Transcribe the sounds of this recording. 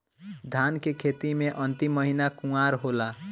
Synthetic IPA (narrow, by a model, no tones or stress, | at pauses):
d̪ʱankekʰet̪imeʔənt̪imːəɦinakũaɾɦola